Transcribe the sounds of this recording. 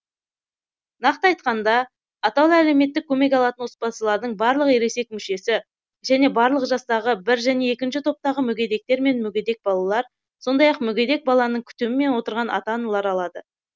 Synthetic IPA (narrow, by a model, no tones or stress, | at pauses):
nɑqt̪əɑjt̪̚qɑnd̪ɑː | t̪ɑw̪ˠæle̞me̞t̪ːɪkʲʰːɵme̞k̬ɑlˠɑt̪ənʊspɑsəlˠɑɾd̪əɴbɑɾlˠəqeɾe̞se̞k̚mʏʃe̞sɪ | ʒæne̞bɑɾlˠəqʒɑst̪ɑʁəbɪɾʒæne̞ekʲɪnʃɪt̪ʰo̞p̚t̪ɑʁəmʏɡʲe̞d̪e̞k̚t̪e̞ɾme̞nmʏɡʲe̞d̪e̞k̚bɑlˠɑlˠɑɾ | so̞nd̪ɑjɑqmʏɡʲe̞d̪e̞k̚bɑlˠɑnəɴkʲʰʏ̥t̪emɪme̞nwo̞t̪əɾʁɑnʔɑ̰t̪ɑnəlˠɑɾɑlˠɑd̪ə